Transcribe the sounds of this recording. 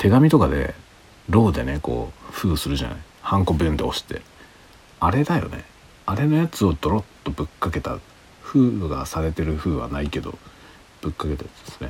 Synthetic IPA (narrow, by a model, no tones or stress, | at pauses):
t̪ʰe̞ɡamʲit̪o̞kad̪e̞̰ | ɾo̞ːd̪e̞ne̞ko̞̰ːɸɯ̟ːsɨɾɯ̟ʑana̰i | hãŋko̞bɯ̃nd̪eo̞ɕi̥t̪e̞̰ | aɾe̞d̪ajo̞̰nḛ | aɾe̞no̞jat͡sɨo̞d̪o̞ɾo̞t̪ːo̞bɯ̟kːake̞t̪a̰ | ɸɯ̟ːɡasaɾe̞t̪e̞ɾɯ̟ɸɯ̟ːβa̰naike̞d̪o̞̰ | b̥ɯ̟kːake̞t̪ajat͡sɨ̥d̥̪esɨ̥ne